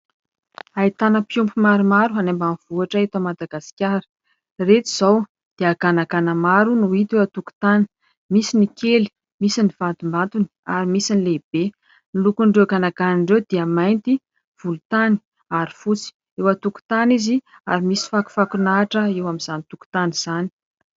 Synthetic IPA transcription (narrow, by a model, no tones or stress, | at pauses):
ait̪anəpjumpumaɾumaɾuɦanembaniv̥uaʈ͡ʂaet̪amad̪aɡasi̥kʲaɾi̥ | ret̪i̥z̥aw | d̪̥eaɡanakanəmaɾunuit̪ewat̪uku̥t̪ani̥ | misinikeli̥ | misiniv̥ant̪umbant̪uni̥a̰ɾimisinileb̥e | nilukuɳɖ͡ʐewkanakaniɳɖ͡ʐewd̪̥eamajnt̪i | v̥ulut̪ani̥ | aɾifut͡si̥ | ewat̪uku̥t̪anizi | a̰ɾimisi̥faku̥fakunaːʈ͡ʂəewamiz̥anit̪uku̥t̪aniz̥ani̥